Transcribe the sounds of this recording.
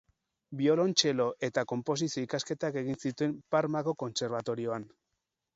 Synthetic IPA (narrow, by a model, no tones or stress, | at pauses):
bio̞lo̞nt͡ʃe̞lo̞ʔe̞t̪ako̞mpo̞s̬isio̞ikaske̞t̪ake̞ɣinsit̪ue̞mpaɾmakoko̞nse̞ɾβ̞at̪o̞ɾio̞an